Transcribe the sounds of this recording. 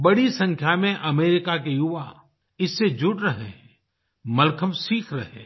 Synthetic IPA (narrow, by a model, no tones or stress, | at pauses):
bɐɽisɐ̃ŋkʰjamẽʔɐmeːɾɪkakejʊʋa | ɪsːed͡ʒʊɽɾɐɦeɦɛ̃ | mɐlkʰəmsiːkʰɾɐɦḛ̃ː